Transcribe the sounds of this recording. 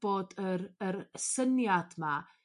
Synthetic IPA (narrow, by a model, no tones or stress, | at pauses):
b̥oːdəɾəɾəsənjad̥ma